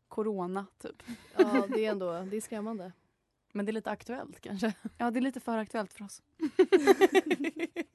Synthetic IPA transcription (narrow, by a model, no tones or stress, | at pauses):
kʰʊɾoːnat̪ʰy̰ːpj̪ɛɾɛnd̪oːd̪ɛæskɾɛmːand̪ə | mɛnd̪ɛɾɭiːt̪əakt̪ɵɛ̰lt̪kʰa̰nʂəjɑːd̪ɛɭiːt̪əfœːɾak̚t̪ɵɛlt̪fœɾɔs